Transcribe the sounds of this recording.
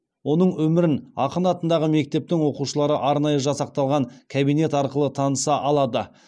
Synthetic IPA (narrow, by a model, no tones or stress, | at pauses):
wo̞nəɴwɵmɪɾɪnɑ̰qənɑt̪ənd̪ɑʁəme̞k̚t̪e̞p̚t̪ɪŋwo̞quʃəlˠɑɾəʔɑɾnɑjəʒɑsɑq̚t̪ɑlˠʁɑŋkʲʰabijne̞t̪ɑɾqəlˠət̪ʰɑnəsɑʔɑlˠɑd̪ə